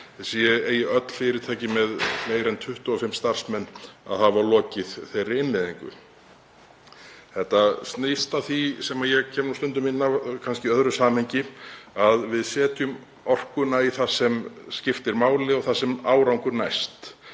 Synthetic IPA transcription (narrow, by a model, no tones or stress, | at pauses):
sjɛeːjɪʔœt̪l̥fɪːɾɪɾt̪ʰaːcɪmɛðmeːjɾɛnt̪ʰʏht̪ʏɔfɪmst̪ar̥smɛnːa̰ðhavaɾlɔːcɪð̥θejɾːɪɪnlɪːðiŋkʏ̰ | θɛht̪ːast̪nejst̪aθisɛmajɛɣcʰɛːmnuwst̪ʏnt̪̬ʏmɪnːakʰanscɪœðɾʏsaːmhejɲcɪaðvɪðsɛːt̪jʏm | ɔr̥kʏnaiθasɛmscɪft̪ɪɾmaːwlɪɔɣθasɛmaːwɾawŋkʏɾnajst̪